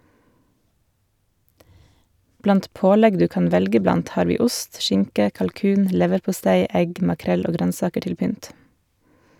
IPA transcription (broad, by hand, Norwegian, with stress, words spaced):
ˈblɑnt ˈpoːˌlɛɡ ˈdʉː ˈkɑːn ˈʋɛlɡə ˈblɑnt ˈhɑːɾ ˈʋiː ˈʊst ˈʃɪŋkə kɑlˈkʉːn ˈlɛʋəɾpʊˌstæɪ ˈɛɡ mɑˈkɾɛl ˈoː ˈɡɾœnˌsɑːkə ˈʈɪl ˈpʏnt